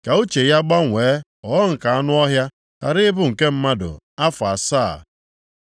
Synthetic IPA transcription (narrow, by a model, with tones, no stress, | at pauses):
ka˨u˦t͡ʃe˨ja˦ɡ͡ba˦ŋʷeː˨˦ | ɔ˨˦ɔ˦ŋ̩˨ka˨a˦nʊ˦ɔ˦ɦja˦ | ka̰˨ɾɪ˦ɪ˦bʊ˦˨ŋ̩˨ke˦m̩˦ma˦dʊ̰˨ | a˦fa˨saː˦˨